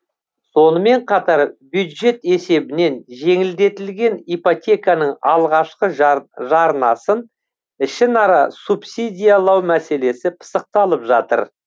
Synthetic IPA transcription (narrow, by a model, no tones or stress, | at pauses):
so̞nəme̞ɴqʰɑt̪ɑɾbjud̪ʒe̞t̪e̞se̞bɪne̞nʒe̞ŋɪld̪e̞t̪ɪlɡʲe̞nijpot̪ʲe̞kanəɴɑlˠʁɑʃqəʒɑɾnɑsən | ɪʃɪnɑɾɑsupsid̪ʲijalˠɑwmæse̞le̞sɪpʰə̥səq̚t̪ɑlˠəpʒɑt̪ə̰ɾ